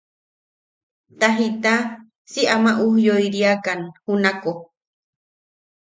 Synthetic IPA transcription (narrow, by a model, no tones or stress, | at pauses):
t̪aɦit̪a | siʔamaʔuhjoiɾiakanhunako